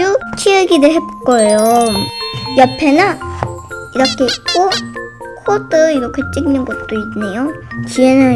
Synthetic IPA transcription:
ut͡ɕʰiɯɡidɯɭɦepk͈ʌejo | jʌpʰe̞na | iɾʌkʰeitk͈o | kʰodɯiɾʌkʰe̞t͡ɕ͈iŋnɯnɡʌt̚t͈oinnːe̞jot͡ɕienɯ

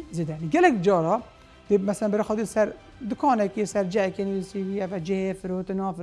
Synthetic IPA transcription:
zeːd̪ɛjaniɡɛlɛk̚d͡ʒɑːɾɑː | d̪emɛsɛlɛnbɛɾxɑd̪isɛɾ | d̪ʊkʰɑːnɛkesɛɾd͡ʒɛɛkenilsiwiɛvɛd͡ʒɪhefɨɾoːt̪ɨnɑːf

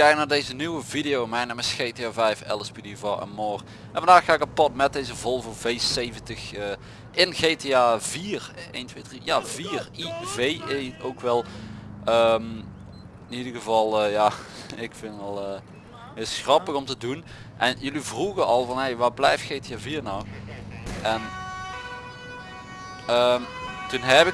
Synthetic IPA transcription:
kɛjk̚naːɹdejzənyʋəvidɪjowmɛjnaːmɪsxeːteaːvɛjfɛ̰lˠəspidiovɔɹɛ̰nmoːr | ʔɛnvɑndaːxaːɪkapɔtmɛt̚dejzəvɔlˠvəvejsejvəntəxəː | ʔɪnɣeːteaːviːrḛjntʋejdrijaːviːrivejʔeowkʋɛlˠəm | ɪnidəɣəvɑlˠəjaːɪkfɪnɔlˠəː | ɪsxrɑpəɣɔmtədun | ʔɛnjɵlivruɣənɑlˠvɑnɦejʋaːblɛ̰jftxeːtɪaviːrnɔw | ʔɛn | əmtunɦɛpɪ

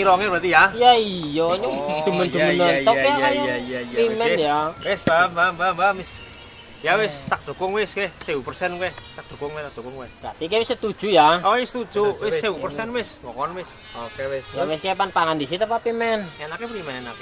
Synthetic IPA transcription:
iɾɔŋɪbat̪ijajaijɔɲosd̪̥ṳmənd̪umənənɔeakaaɾimɛnjawɪsbambambabamɪs | jawɪst̪ak̚d̪̥o̤kɔŋwɪskehsewupərsɛnkɛht̪ak̚d̪̥o̤kɔŋwest̪ak̚d̥o̤kɔŋwehb̥ɾat̪ikewɪsət̪ud̥ʒ̥ujaɔisət̪ud̥ʒ̥uwɪsːewupərsɛnwɪsŋɔkɔnwɪs | okesjawɪskepanpaŋand̪isit̪əpapimɛnɛnakepɾimɛɛnak

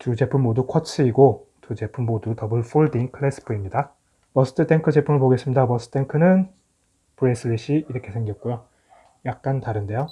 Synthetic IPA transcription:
tud͡ʑe̞pʰɯmmodukʰwʌt͡ɕ͈ʰɯiɡo | tud͡ʑe̞pʰummodutʌbɯɭfuɭdinkʰɯɭes͈ʰɯ̥pʰɯimɲida | pʌsʰɯ̥tʰɯt͈ʰe̞ŋkʰɯd͡ʑe̞pʰɯmɯɭpoɡe̞s͈ɯmɲidabʌs͈ʰɯ̥tʰe̞ŋkʰɯnɯn | pɯɾesʰɯɭːiɕ͈ʰiiɾʌkʰe̞sʰeŋɡjʌt̚k͈ujo | jak̚k͈antaɾɯnde̞jo

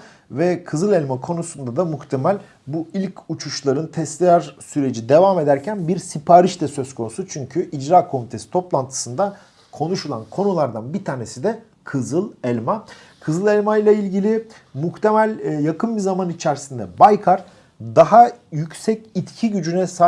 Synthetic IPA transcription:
vɛkʰɯzɯlˠɛlʲmakʰo̞nusund̪ad̪amuxt̪ʰemælʲ | builʲcut͡ʃʰuʃlˠaɾɯnt̪ʰɛst̪ʲijaɾsyɾe̞d͡ʒid̪e̞vaːme̞d̪æɾcʰænbiɾsipʰaːɾiʃt̪ɛsø̞z̥kʰo̞nusut͡ʃʰyɲcʰyʔid͡ʒɾaːkʰo̞mit̪ʰe̞si̥t̪ʰo̞plˠant̪ʰɯ̥sɯnd̪a | kʰo̞nuʃulˠa̰nkʰo̞nulˠaɾd̪anbit̪ʰaːne̞sid̪ɛ | kʰɯzɯlˠɛlʲmakʰɯzɯlˠɛlʲmajlˠailʲɟilʲɪmuxt̪ʰe̞mælʲjakʰɯnbizamanit͡ʃʰæɾsind̪ɛbajkʰaɾ | d̪aɦajycsɛcit̪cʰiɟyd͡ʒynɛsa

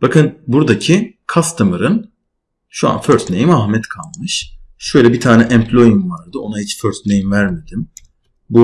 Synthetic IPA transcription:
b̥akɯnbuɾd̪acʰikʰast̪ʰɯmɯɾɯn | ʃua̰nføɾt̪ʰnejimahmɛt̪kʰalˠmɯʃʃø̞jlʲɛbit̪ʰaːnɛʔɛmpʰlʲo̞jimvaɾd̪ɯo̞nahit͡ʃføɾt̪ʰnejimvæɾme̞d̪im | bu

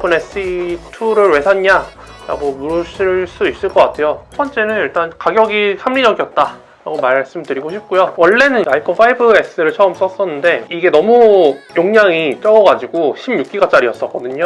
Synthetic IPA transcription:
pʰunes͈ʰitʰuɾɯɾwe̞sʰaɲɲa | ɾa̰ɡomuɾɯɕʰiɭs͈uis͈ɯɭk͈ʌk͈atʰe̞joɸʰʌnt͡ɕ͈e̞nɯniɭt͈ankaɡjʌɡisʰamɾid͡ʑʌɡiʌt̚t͈a | ɾa̰ɡomaɭɭs͈ɯmdɯɾiɡoɕʰip̚k͈ujowʌɭːe̞nɯnaikʰopʰaibɯe̞s͈ɯɾɯɭt͡ɕʰʌɯms͈ʌs͈ʌnːɯnde̞iɡe̞nʌmujoŋɲaŋit͡ɕ͈ʌɡʌɡad͡ʑiɡoɕʰimjuk̚k͈iɡat͡ɕ͈aɾiʌs͈ʌk͈ʌdɯɲo

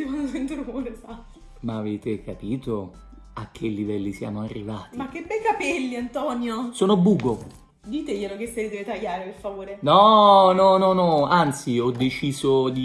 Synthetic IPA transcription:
d̪imanasent̪uɾoɾesa | maːveːt̪ekapiːt̪o | ak̟ːelːivɛlːisja̰ːmoarːivaːt̪imak̟ːebɛjkapɛlːiant̪ɔnjosoːnobuːɡo | d̪iːt̪ejelok̟eselid̪ɛːvet̪ajːaːɾeperfavoːɾenɔnɔnɔnɔant̪siɔd̪ːet͡ʃiːzod̪i

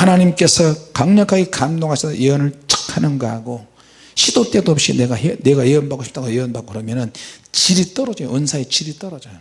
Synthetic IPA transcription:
hanaɲimk͈e̞sʰʌkaŋɲʌkʰaɡekamdoŋɦasʰʌjeʌnɯɭt͡ɕ͈ḁkʰanɯnɡʌɦaɡo | ɕʰidot͈e̞doʌp̚ɕ͈ḭneɡaɦene̞ɡajeʌnbakoɕʰip̚t͈aɡojeʌnbak̚kɯɾʌmjʌnɯnt͡ɕiɾit͈ʌɾʌd͡ʑʌjo̰ɯnsʰaet͡ɕiɾit͈ʌɾʌd͡ʑajo

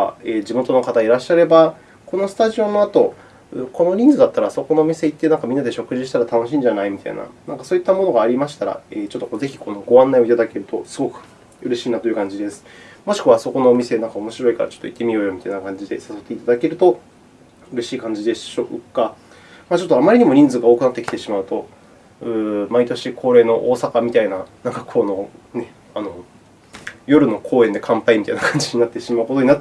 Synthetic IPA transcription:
a̰eːd͡ʑimo̞t̪o̞no̞kat̪aiɾaɕːaɾe̞ba | ko̞no̞sɨ̥t̪aʑio̞no̞at̪o̞ | ko̞no̞ɲʲĩnzɨd̪at̪ːaɾaso̞ko̞no̞ːmʲise̞it̪ːenãŋkamʲĩnːad̪e̞ɕo̞kɯ̟ʑiɕi̥t̪aɾat̪ano̞ɕĩɲd͡ʑanaimʲit̪a̰ḭna̰nãŋkasoːit̪ːamo̞noɡaːɾʲimaɕi̥t̪aɾa̰eːt͡ɕot̪ːokoze̞çi̥ko̞noɡo̞ãnːaio̞it̪ad̪ake̞ɾɯ̟t̪o̞sɨɡo̞kɯ̟̥ | ɯ̟ɾe̞ɕiːnat̪o̞jɯ̟kãɲ̟d͡ʑid̪e̞sɨ̥mo̞ɕi̥kɯ̟βaso̞ko̞no̞ːmʲise̞nãŋkaomo̞ɕiɾo̞ikaɾa̰t͡ɕo̥t̪ːo̰i̥t̪ːe̞mʲioːjo̞mit̪ainakãɲ̟d͡ʑid̪e̞saso̞t̪ːe̞it̪ad̪ake̞ɾɯ̟t̪o̞ | ɯ̟ɾe̞ɕiːkãɲ̟d͡ʑid̪e̞ɕoka | maːt͡ɕo̞t̪ːoamaɾʲiɲ̟imo̞ɲ̟ĩnzɨːɡaoːkɯ̟nat̪ːeki̥t̪e̞ɕimaɯ̟t̪o̞ | ɯ̟ːmait̪o̞ɕikʰo̞ːɾe̞ːno̞ʔoːsakamʲit̪ainanaŋkakʰo̞no̞ne̞ | ano̞ | jo̞ɾɯ̟no̞kʰo̞ːe̞nd̪e̞kʰãmpaimit̪ainakʰãɲ̟d͡ʑiɲ̟inat̪ːe̞ɕimaɯ̟ko̞t̪o̞ɲ̟inat̪ː

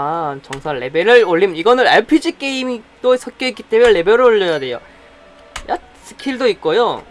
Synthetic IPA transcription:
at͡ɕʌŋsʰaɭːe̞beɾɯɭoʎːimiɡʌnɯɾaɭpʰid͡ʑik͈e̞imit͈osʰʌk͈joik͈it͈e̞muɭːe̞beɾɯɭoʎːʌjade̞jo̰ | jat̚ | s͈ʰɯ̥kʰiɭdoik̚k͈ojo

